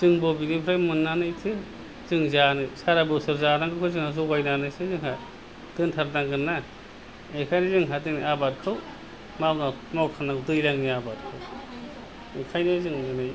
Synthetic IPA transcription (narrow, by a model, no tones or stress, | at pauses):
z̥ɯŋbobiŋipʰɾajmɯnːanɯjtʰɯ | zɯŋzanɯsaɾabɯsɯɾzanaŋɡɯkʰɯzɯŋhazoɡajnanɯjsɯzɯŋɦa | d̥ɯntʰaɾdaŋɡɯna | ekʰajnizɯŋɦadɯniabat̚kʰɯw | mawnamɔwkʰanaŋdɯjlaŋniabat̚kʰɯw | ɯkʰajnɯzɯŋɯnɯj